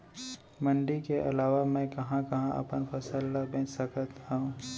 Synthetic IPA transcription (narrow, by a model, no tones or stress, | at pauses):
məɳɖikeʔɐ̰laːʋamɛ̃kɐɦãkɐɦãʔɐ̰pənpʰəsəlːabẽːt͡ʃsəkʰət̪ɦãũ